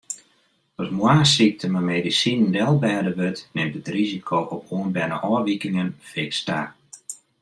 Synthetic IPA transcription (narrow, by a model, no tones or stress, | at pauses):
ɔsmwaːsik̚tʰəmameːdisinndɛlˠbɛːdəʋøtnɪmtətrizikʰoːʔɔpuənbɛnə̰ʔɔəʋikɪŋənfɪksta̰ː